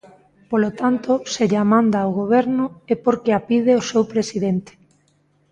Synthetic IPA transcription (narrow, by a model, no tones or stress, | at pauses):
polot̪ant̪oseʎamãnd̪awɣoβ̞ɛɾnʊepoɾkeapið̞eosewpɾesiðent̪e̥